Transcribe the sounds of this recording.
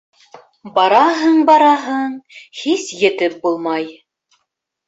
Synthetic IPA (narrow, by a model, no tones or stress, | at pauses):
bɑɾɑɦɤɴbɑɾɑɦɤɴhisjɘ̆t̪ɘp̚bulˠmɑj